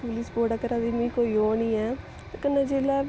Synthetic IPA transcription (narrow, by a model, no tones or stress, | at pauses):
pulisboːɽaːkəɾãːd̪iːmĩːkoːiːoːnĩːɛː | t̪ːkənːãːd͡ʒeːlaː